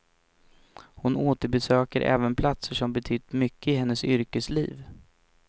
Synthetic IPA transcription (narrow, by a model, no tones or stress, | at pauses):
hʊnoːt̪əɾbɛsøːkəɾʔɛ̰ːvənpʰlat̪səʂɔmbɛt̪ʰyːt̪mʏkːəɪɦɛnːəsʏɾkəslḭːv